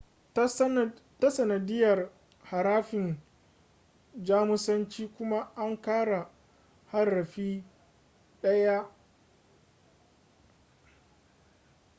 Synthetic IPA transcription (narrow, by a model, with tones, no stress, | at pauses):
ta˦sɐ˨nɐ˨dɪ˦jɐ˨r | ha˨ɾaː˦ɸɪ˨n | d͡ʒaː˦mʊ˦sɐ˦nt͡ʃiː˦kʷʊ˦ma˦ʔa˦ŋkaː˦ɽa˨ | ha˦rːɐ˨ɸiː˦ | ɗɐ˦ja˦